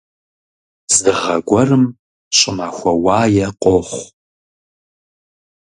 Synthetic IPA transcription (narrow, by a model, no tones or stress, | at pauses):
z̥dɨʁɐɡʷɔrɨm | ɕʼɪmaːxʷɔwaːjɛqʷʼoχʷ